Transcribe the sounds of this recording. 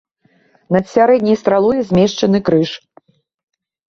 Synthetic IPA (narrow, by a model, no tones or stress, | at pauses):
nɐt̪sʲaɾɛd̪ʲnʲijst̪ɾalˠujɛzʲmʲɛʂt͡ʂɐnɨkɾɨʂ